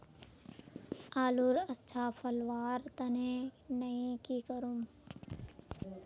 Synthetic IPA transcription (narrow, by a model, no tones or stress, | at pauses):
aːluɾətːʃʰaːpʰɐlʋaːɾt̪ɐnẽnɐĩkikəɾum